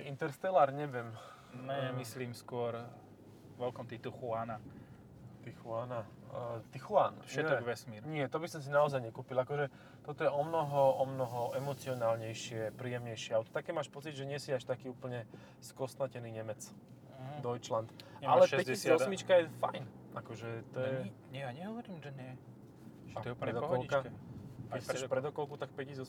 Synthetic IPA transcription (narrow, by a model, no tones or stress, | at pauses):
int̪ɛɾst̪ɛlaːɾɲɛʋɪɛm | nɛɛmisliːmskʊɔɾ | ʋɛlkɔmt̪it̪uxuana | t̪ixuana | t̪ixuanfʃɛɛɔʋɛsmiɾɲɪɛt̪ɔbisɔms̬inaɔzajɲɛkuːpilakɔʒɛ | t̪ɔt̪ɔjɛɔmnɔɦɔɔmnɔɦɔʔɛmɔt͡siɔnaːlɲɛjʃɪɛpɾiːjɛmɲɛjʃɪɛalt̪ɔ̥t̪akɛːmaːʃpɔt͡sicʒɛɲɪɛsiaʃt̪akiːuːpl̩ɲɛ | skɔst̪nacɛniːɲɛmɛt͡s | d̪ɔjt͡ʃlant̪a̰lɛʃpɛcɛisɔmit͡ʃkajɛfa̰jnakɔʒɛt̪ɔjɛɲɛɲɛɦɔʋɔɾiːmʒɛɲɪɛ | aɾɛd̪ɔkɔlkakɛxt͡sɛʃpɾɛd̪ɔkɔlkut̪ak̚pɛcisɔ